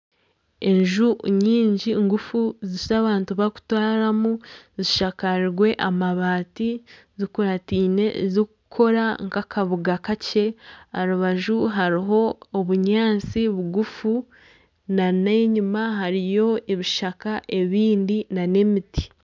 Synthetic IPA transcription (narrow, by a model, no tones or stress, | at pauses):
e̞ɲʒuɲiːɲɟiŋɡufuziʃzaβaːntuβaku̥twaːɾamuziʃakaɾiɾɡwe̞ʔamaβaːti | zikuɾatiːne̞zikukʰo̞ɾaŋkakʰaβuɡakace̞a̰ɾuβaʒuɦaɾiɦo̞ːβuɲaːnt͡siβuɡufu | naneɲumaɦaɾijo̞eβiʃakaʔe̞βiːndinane̞miti̥